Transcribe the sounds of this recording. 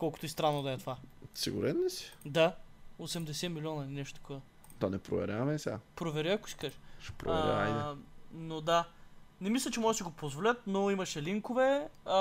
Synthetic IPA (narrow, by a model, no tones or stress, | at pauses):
kɔlˠkʊt̪oist̪ɾanːod̪ɐɛt̪ovasḭɡṵɾɛnːɛsi̥d̪aosɛmd̪ɛsɛmilʲɔnɐɐlinɛʃt̪o̥t̪ɐ̥kɔvɐ | t̪ɔnɛpɾo̰vɛ̰ɾʲjavɐmɛsɛa̰pɾovɛɾʲiɐkʊiskaʒɛʃɛ̥pɾo̰vɛ̰ɾʲa̰ajnɛnod̪anɛmislʲət͡ʃɛmɔʒɛsiɡopozvolʲət̪̚noimɐʃɛliŋkovɛ